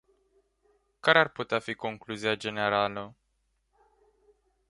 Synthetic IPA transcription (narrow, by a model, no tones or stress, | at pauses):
kaɾearput̪eafiko̞ŋkluziad͡ʒe̞ne̞ɾalə